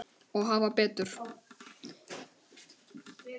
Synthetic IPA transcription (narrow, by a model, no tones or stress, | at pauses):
ɔɣɦanvaɾpɛːt̪ʏɾ̥